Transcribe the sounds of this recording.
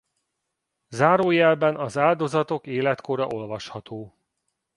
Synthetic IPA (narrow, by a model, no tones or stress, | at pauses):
zaːɾoːjɛlbɛnɒzaːld̪o̞zɒt̪o̞keːlɛt̪ko̞ɾɒʔo̞lvɒʃhɒt̪oː